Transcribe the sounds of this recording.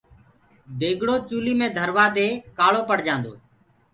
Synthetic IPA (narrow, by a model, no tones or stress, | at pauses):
d̪eːɡɽoːt͡ʃuːliːmẽːd̪ʱəɾʋaːd̪eːkaːɭoːpəɽ̤d͡ʒãːnd̪o̰ː